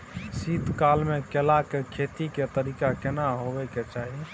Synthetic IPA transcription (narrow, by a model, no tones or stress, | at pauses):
sit̪kalmekelakekʰet̪iket̪əɾikakenaɦobɛket͡ʃaɦi